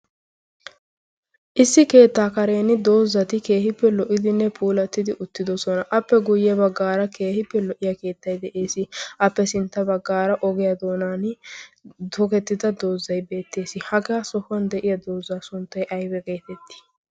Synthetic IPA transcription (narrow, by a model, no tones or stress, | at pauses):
ʔɪsːɪke̞ːt̪ːaːkɐɾe̞ːnɪd̪o̞ːzːɐt̪ɪke̞ːhɪpːɛlɔʔɪd̪ɪnːɛpʰuːlɐt̪ːɪd̪ɪʔʊt̪ːɪd̪ɔsɔnɐʔɐpːɛɡʊjɛbɐɡːaːɾɐkʰe̞ːhɪpːɛlɔʔɪjɐke̞ːt̪ːɐjd̪ɛʔe̞ːsɪʔɐpːɛsɪnt̪ːɐbɐɡːaːɾɐʔɔɡɛjɐd̪o̞ːnaːn | d̪ɔkɛt̪ːɪd̪ɐd̪o̞ːzːɐjbe̞ːt̪ːe̞ːsɪhɐɡɛɐsɔhʊɐnd̪ɛʔɪjɐd̪o̞ːzːaːsʊnt̪ːɐjʔɐjbɛɡe̞ːt̪ɛt̪ːɪ̥